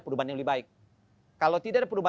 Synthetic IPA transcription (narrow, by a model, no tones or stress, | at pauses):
pəɾubahanjaŋlubibaɪk̚ | kːalawt̪idaʔadapəɾuba